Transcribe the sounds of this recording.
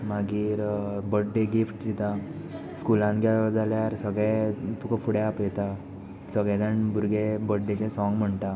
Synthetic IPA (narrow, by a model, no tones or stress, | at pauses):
maɡiːɾbəɖːeɡifʈd͡ʑit̪a | skulãnɡʱjad͡zaljaɾsəɡɭɛt̪ukafuɽjapjet̪a | səɡɭɛ̃d͡zəɳbuɾɡebəɖɖet͡ɕẽsɔŋɡm̤əɳt̪a